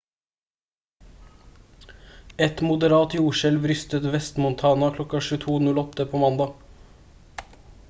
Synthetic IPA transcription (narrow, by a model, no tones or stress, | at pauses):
ɛt̪mʊd̪əɾɑːt̪juːʃɛlʋɾʏst̪ət̪ʋɛst̪mʊnt̪ʰɑːnɑkʰlɔkɑʃʉːt̪ʰuːnʉlɔt̪əpʰoːmɑnd̪ɑː